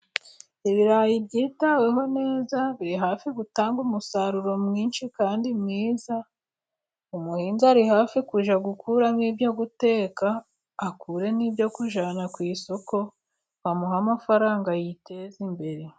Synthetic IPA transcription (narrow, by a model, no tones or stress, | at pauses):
iβiɾajibɟiːtaweɦo̞ne̞ːzaβiɾiɦaːfiɡutaːŋɡumusaɾuɾo̞mŋiːnʃikaːndimŋiːza | umuhiːnzaɾihaːfikuʒaɡukʰuːɾamŋiːbjo̞ɡute̞ːkaː | kʰuɾe̞niːbjo̞kuʒanakwiːso̞ko̞ | hamuɦamafaɾaːŋɡajite̞zimbe̞ɾe̞